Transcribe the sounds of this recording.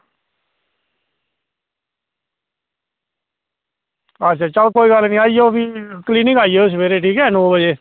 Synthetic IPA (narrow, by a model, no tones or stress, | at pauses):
ətːʃʰaːt͡ʃəlkoːiːɡəlːnĩːaːd͡ʒioːpiːkliːnɪ̃ŋɡaːijeos̬əʋeːɾeːʈiːkɛːnoːbəd͡ʒeː